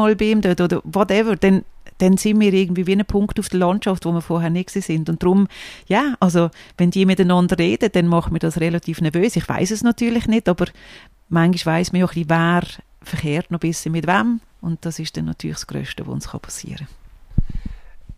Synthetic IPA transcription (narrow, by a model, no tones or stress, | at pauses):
ɑlbɪːmdøtodəvɔtɛvəd̥ɛnd̥ɛnsɪnmiːɾɪɐɡ̚ən̩tviːʋiːnəpʰʊŋktufd̥əlɑntʃɑftvomiːfɔɾɦɛɐnɪt̚ksiːsɪndʊnt̚d̥ɾʊmjaːʔɑls̬ovɛndiːɐmɪtanɑndəreːd̥əd̥ɛnmɑχəmiːɐdɑsʁɛlɑtʰiːfnɛɐvøːsɪχva̰ɪsɛsnɑtyːɐlɪχnɪtɑːb̥əɾ | maŋɡiʃvaɪsməjoχlivaːɾ | fəχeːɾtnɔb̥ɪsəmɪtvam | ʊnt̚d̥ɑsɪʃd̥ɛnːɑ̰tʰyːlɪxsɡ̥ɾø̰ːʃtə̰vo̰ʊ̰nsχɑ̰pʰɑ̥sḭːəɾə